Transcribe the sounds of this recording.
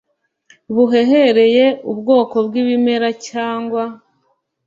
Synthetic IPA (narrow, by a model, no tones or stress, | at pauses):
βuɦe̞ɦeɾe̞je̞ubɡo̞ːko̞bɡiːβime̞ɾacaːŋɡwa